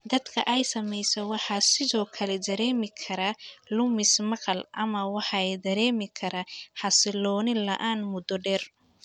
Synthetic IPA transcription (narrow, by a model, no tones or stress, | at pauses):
d̪ɐd̪kʰɐʔɛjsɐmɛjsɛwɑħɑːsɪðɔːkʰɐlɛd̪ɐɾɛːmɪkʰɐɾɐlʊmɪsmɐqɐlʔɐmɐwɑħɑjd̪ɐɾɛːmɪkʰɐɾɐħɑsɪlɔːnɪlɐ̰ʔaːnmʊd̪ɔɖɛːr